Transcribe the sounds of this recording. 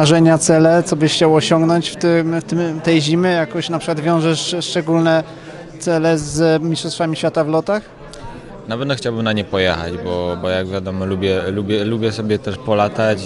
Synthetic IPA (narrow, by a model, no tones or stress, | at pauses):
aʐɛɲat̪sɛlɛt̪sɔbɘxt͡ɕawɔɕɔŋɡnɔɲt͡ɕft̪ɪmt̪ɘmt̪ɛjʑimɘjakɔ̃ɕɛnapʂɘkwad̪vʲjɔ̃w̃ʐɛʂʂt͡ʂɛɡulnɛ | t̪sɛlɛzmʲistʂɔst̪famʲiɕfʲat̪avlɔt̪ax | navɛt̪nɔxt͡ɕawbɘmnaɲɛpɔjɛxa̰d͡ʑbɔbɔjaɡvʲjad̪ɔmɔlubʲjɛlubʲjɛlubʲjɛsɔbʲjɛt̪ɛʂpɔlat̪at͡ɕ